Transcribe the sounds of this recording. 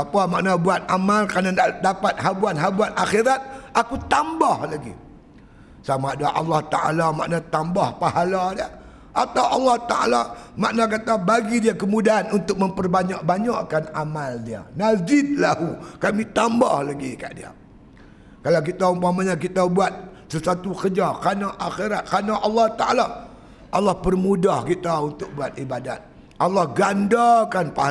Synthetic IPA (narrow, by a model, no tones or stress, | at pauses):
apamaʔnabuat̪̚amalkɾanadaʔdapat̪̚ɦabuanɦabuanʔaxiɾat̪̚akut̪ambahlaɡḭ | samadaʔɑ̰lːaht̪a̰ʔa̰lama̰ʔnat̪ambahpahaladia | ʔat̪awʔɑlːaht̪a̰ʔa̰lama̰ʔnak̬at̪abaɡidiakəmudaanunt̪ʊk̚məmpərbaɲaʔbaɲaʔkanamaldia̰nazɪt̪̚lahukamit̪ambahlaɡika̰ʔdḭa̰ | kalawk̬it̪aumpamaɲak̬it̪abuat̪̚səsat̪ukəd͡ʒakanaʔaxeɾat̪̚kanaʔɑlːɑht̪aʔala | ʔɑlːɑhpərmudahkit̪aunt̪ʊk̚buat̪̚ibada̰t̪̚ | ʔɑlːɑhɡandakanpa